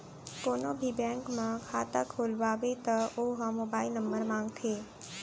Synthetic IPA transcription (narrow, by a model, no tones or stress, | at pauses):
konobʱibɛ̃ŋkmãkʰat̪akʰolʋaʋet̪əoɦɔmobailnəmbəɾmãŋɡt̪ʰe